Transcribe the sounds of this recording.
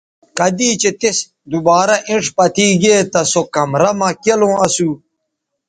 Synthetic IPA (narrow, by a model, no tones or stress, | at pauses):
kɐd̪iːt͡ɕet̪es | d̪ubaːɾɐʔĩɳʂpɐt̪ʰiːɡeːt̪ɐsokɐmɾɐmɐkelõːɐsuː